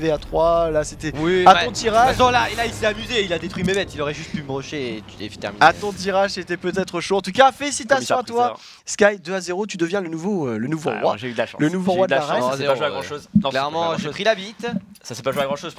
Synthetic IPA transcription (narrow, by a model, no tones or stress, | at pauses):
vɛat̪χwalaset̪ɛwiat̪ɔ̃t̪iʁaʃɔ̃laelailsɛamyzeilad̪et̪χwɥimemɛt̪iloʁɛʒyst̪̚pyməbʁɔʃet̪efi̥t̪ɛ̰ʁmiat̪ɔ̃t̪iʁaʃset̪ɛpøt̪ɛt̪χəʃoɑ̃t̪ukafɛsit̪asj̪ɔ̃at̪wa | skajd̪øazeʁot̪yd̪əvjɛ̃lənuvoølənuvo̰ʁwa̰ʒeyd̪laʃlənuvoʁwad̪llaʁɛsɛaʒʒweaɡʁɑ̃ʃoznɔ̃klɛʁmɑ̃ʒəpχilabit̪ | sasɛpaʒweaɡʁɑ̃ʃoz